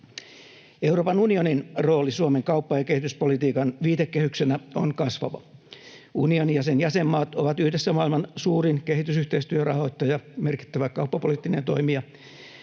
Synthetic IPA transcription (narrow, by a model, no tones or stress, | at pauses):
euwroːpɑnunioninro̞ːlisuomeŋkɑupːɑjɑkehit̪yspolit̪iːkɑnʋiːd̪ekːehyksenæo̰nkɑsʋɑ̰ʋɑ̰ | unionijɑsenjæsemːɑːt̪oʋɑt̪yhdesːæmɑːilmɑnsuːrinkeɦit̪ysyht̪eist̪yørɑ̰hoit̪ːɑjɑmerki̥t̪ːæʋækɑupːɑpolit̪ːinḛnt̪o̞̰imiɑ